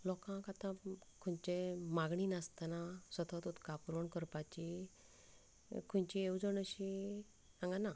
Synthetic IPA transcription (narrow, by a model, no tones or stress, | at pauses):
lɔkãkat̪ãkʰuɲt͡ɕemaɡɳinast̪anasʋət̪ʰɔt̪ut̪kapuɾɔɳkəɾpat͡ɕi | kʰuɲt͡ɕiewd͡zəɳəɕi | ãŋɡana